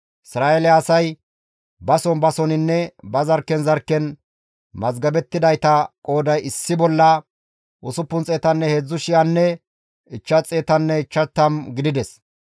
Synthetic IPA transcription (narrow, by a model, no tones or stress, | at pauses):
ɪsɾaːelɪːsɐj | bɐsɔnbɐsɔnɪnːɛbɐzɐɾkːɛnzɐɾkːɛn | mɐzɡɐbɛt̪ːɪd̪ɐjt̪ɐkʼo̞ːd̪ɐjɪsːɪbɔlːɐ | ʔʊsʊpːʊnt͡sʼeːt̪ɐnːɛheːd͡zːʊʃɪjɐnːɛ | ɪt͡ʃːɐt͡sʼːeːt̪ɐnːɛɪt͡ʃːɐt̪ːɐmɡɪd̪ɪd̪ɛs